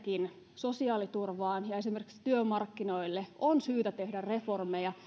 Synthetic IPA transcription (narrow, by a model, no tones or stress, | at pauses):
kin | so̞siɑːlit̪urʋɑːnjɑe̞simerkikst̪yømɑrkːinoilːeonsyːt̪æt̪e̞hdærre̞formejɑ